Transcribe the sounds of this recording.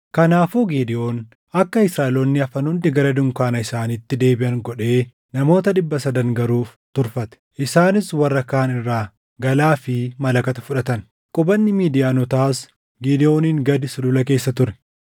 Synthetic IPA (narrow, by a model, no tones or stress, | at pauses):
kɐnaːfuːɡiːd̪ɪʔo̞ːn | ɐkːɐɪsɾaːʔɪlɔnːɪɐfɐnʊnd̪ɪɡɐɾɐd̪ʊŋkaːnɐɪsaːniːt̪ːɪd̪e̞ːbɪʔɐŋɡɔᶑe̞ː | nɐmo̞ːt̪ɐɗɪbːɐsɐd̪ɐŋɡɐɾuːft̪ʊɾfɐt̪ɛ̥ʔɪsaːnɪswɐrːɐkaːnɪrːaː | ɡɐlaːfɪmɐlɐkɐt̪ɐfʊᶑɐt̪ɐn | kʼʊbɐnːɪmiːd̪ɪjaːnɔt̪aːs | ɡiːd̪ɪʔo̞ːniːŋɡɐd̪ɪsʊlʊlɐk̬e̞ːsːɐt̪ʊɾɛ̥